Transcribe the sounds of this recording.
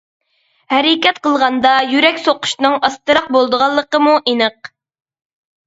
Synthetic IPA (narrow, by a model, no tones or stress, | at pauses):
hɛɾɪkʲɛt̪qəlˠʁɑnd̪ɑjyɾɛkʲsoqʊ̥ʃnɨŋɑst̪ɨɾɑq̚bolˠd̪əʁɑlˠːəqəmuʔinɨq̚